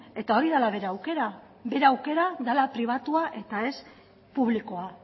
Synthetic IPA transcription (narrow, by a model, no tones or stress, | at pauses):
e̞t̪ao̞ɾiðalaβe̞ɾeawke̞ɾa | be̞ɾawke̞ɾaðalapɾiβ̞at̪uaʔe̞t̪ae̞s | puβ̞likoa